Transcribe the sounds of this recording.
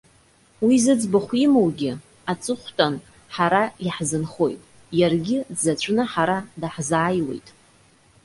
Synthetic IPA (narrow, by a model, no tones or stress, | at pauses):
wizɨd͡zbaχʷimowɡʲɪ | at͡sʼɨχʷtʰʼan | ħaɾaiħzɨnχo̞jtʼ | jarɡʲɪzat͡ɕʷʰʼnaħaɾadaħzaːjwe̞̰jtʼ